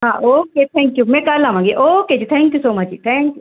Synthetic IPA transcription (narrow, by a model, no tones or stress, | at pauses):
ɦãːoːket̪ʰɛ̃ːŋkjumɛ̃kɐɾlamãːŋɡeʔoːked͡ʒit̪ʰɛ̃ːŋkjuːsoːmɐt͡ʃit̪ʰɛ̃ːŋkju